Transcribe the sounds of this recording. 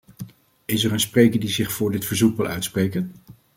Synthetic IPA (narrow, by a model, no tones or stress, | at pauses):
ɪsɛɹənsprejkəɹdizɪχfʊːɹdɪtfəɹzukʋɪlˠœ̰ɥtsprejkən